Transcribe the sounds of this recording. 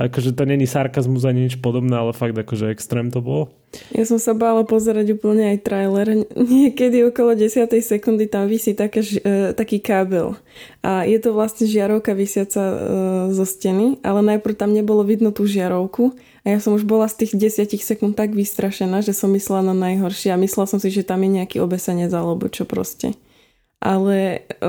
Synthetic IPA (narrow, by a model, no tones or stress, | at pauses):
akɔʒɛt̪ɔɲɛɲisaɾkazmuzajɲɛt͡ʃpɔd̪ɔbnɛalɛfaɡ̚d̪akɔʒɛɛkst̪ɾɛːmt̪ɔbɔl | jʔa̰sɔmsabaːlapɔzɛɾaɟuːpl̩ɲɛajt̪ɾajlɛɾɲɪɛkɛd̪iɔkɔlɔɟɛsɪat̪ɛjsɛkund̪it̪amʋisiːt̪akaʒt̪akiːkaːbɛ̰l | ʔajɛt̪ɔʋlasɲɛʒɪaɾɔʊkaʋisɪat͡sazɔscɛniʔa̰lɛnajpɾ̩ʊt̪amɲɛbɔlɔʋid̪nɔt̪uːʒɪaɾɔʊku | ajasɔmuʒbɔlast̪iːɣɟɛsɪacixsɛkunt̪̚t̪aɡʋist̪ɾaʃɛnaːʒɛsɔmːislɛlananajɦɔɾʃɪɛamislɛlsɔmsiʒɛt̪amjɛɲɛakiɔbɛsaɲɛzalɔbṵt͡ʃɔpɾɔ̰scɛ̰ | ʔa̰lɛ